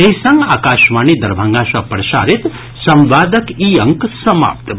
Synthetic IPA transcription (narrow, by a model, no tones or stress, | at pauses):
eɦisãŋɡaːkaːʃmanid̪ɐɾbʱãŋɡaːʃɐpɾɐʃa̰ːɾit̪ | sɐmʋaːd̪əkiɐŋksɐma̰ːp̚t̪